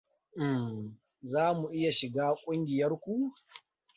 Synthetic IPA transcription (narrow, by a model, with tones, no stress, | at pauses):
ʔɪ˨m | zaː˦mu˨ʔɪ˦ja˨ʃɪ˨ɡaː˦kʷʼʊ˦ŋɡʲɪ˨jɐ˦rkʷu˦